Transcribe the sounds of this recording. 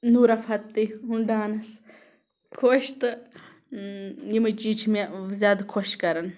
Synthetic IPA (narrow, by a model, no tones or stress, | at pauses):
nuːɾɐfɐt̪ːiɦuɳɖaːnɐs | kʰoːʃt̪ɨ | jimɐt͡ʃiːt͡ʃʰmezʲjaːd̪kʰoʃkɐɾɐn